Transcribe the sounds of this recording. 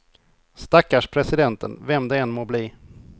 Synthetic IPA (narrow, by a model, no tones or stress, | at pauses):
st̪akːaʂpʰɾɛsɪd̪ɛnt̪ə̰nvɛmd̪ɛɛnmoːbliː